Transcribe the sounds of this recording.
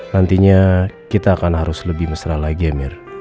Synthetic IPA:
nant̪iɲakit̪aːkanɦaɾʊsləbɪhməsəɾahlaɡiamɪr

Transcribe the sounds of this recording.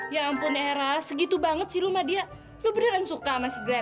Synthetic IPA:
jampʊneɾasəɡit̪ubaŋət̪̚silumadia | lʊbənəɾansukamasiɡɾa

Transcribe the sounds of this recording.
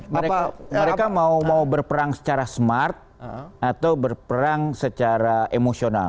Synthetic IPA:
məɾeaməɾekamaumaubərpəɾaŋsə̥t͡ʃaɾasmart̪̚at̪awbərpəɾaŋsət͡ʃaɾaʔemosiona̰

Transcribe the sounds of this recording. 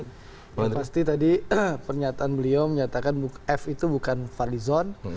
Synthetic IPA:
jpast̪it̪adipərɲat̪aːnbəlioməɲat̪akanbuɛfit̪ubukanfalizɔn

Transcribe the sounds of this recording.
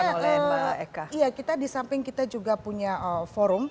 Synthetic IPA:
aəaaekaijakit̪adisampɪŋkit̪ad͡ʒuɡapuɲaʔəfoɾʊm

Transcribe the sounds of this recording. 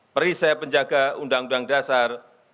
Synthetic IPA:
pəɾisɛpəɲd͡ʒaɡaundaŋundaŋdasar

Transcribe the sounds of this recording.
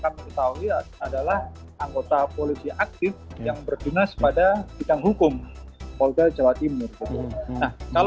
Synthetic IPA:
kanməkət̪aɦuiadalah | aŋɡot̪apolisiʔak̚t̪ɪfjaŋbərd̪unaspadapidaŋɦukʊmkɔltad͡ʒawat̪imʊrkut̪unnahkal

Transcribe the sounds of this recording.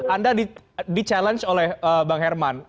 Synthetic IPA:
andadidit͡ʃalɛnt͡ʃolɛhəbaŋɦɛrman

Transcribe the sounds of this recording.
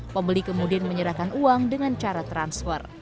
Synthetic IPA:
pəmbəlikəmudianməɲəɾakanuaŋdəŋant͡ʃaɾat̪ɾansfə̰r

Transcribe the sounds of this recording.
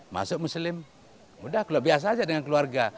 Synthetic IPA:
ma̰sʊʔmuslɪm | mudahkalaʔbias̬aːd͡ʒadəŋankəluarɡa

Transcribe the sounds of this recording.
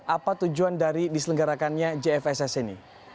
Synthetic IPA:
ʔapat̪ud͡ʒuandaɾidisələŋɡaɾakanɲad͡ʒeɛfɛsɛsɛnḭ

